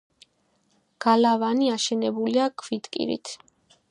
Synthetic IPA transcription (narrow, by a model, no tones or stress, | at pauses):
ɡ̥alavaniaʃɛnɛbuliakʰvit̪kʼḭɾḭt̪ʰ